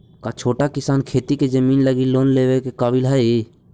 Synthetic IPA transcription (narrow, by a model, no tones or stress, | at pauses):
kat͡ʃʰoːʈakɪsaːnkʰeːt̪iked͡ʒəmiːnləɡiloːnleːʋekekaːbɪlɦəi